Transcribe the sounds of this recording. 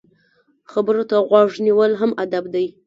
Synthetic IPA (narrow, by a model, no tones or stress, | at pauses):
xabəɾot̪aɣwɑʐniwəlɦamad̪abd̪aj